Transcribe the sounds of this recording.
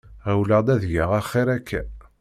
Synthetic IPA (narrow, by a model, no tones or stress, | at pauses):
ʁæwləd̪æðjaʁæχːɪɾækʰːæ